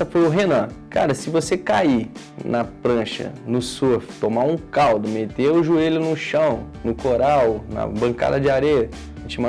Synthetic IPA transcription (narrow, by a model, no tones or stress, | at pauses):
ɐfojʊɦenɐ̃ka̰ɾɐsɪvosekai | nɐpɾɐ̃ʃɐ̰nʊsoft̪omaũkawd̪ʊmet̪eɾʊʒuelʊnʊʃɐ̃w̃ | nʊkoɾawnɐ̰bɐ̃ka̰d̪ɐd͡ʒɪaɾejɐ̃ | t͡ʃimɐ̃